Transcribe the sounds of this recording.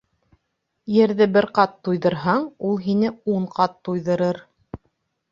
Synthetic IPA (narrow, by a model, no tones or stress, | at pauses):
jɘ̆ɾðɘbɘɾqɑt̪ːujðɤ̆ɾɦɑɴulˠɦinɘuɴqɑt̪ːujðɤ̆ɾɤɾ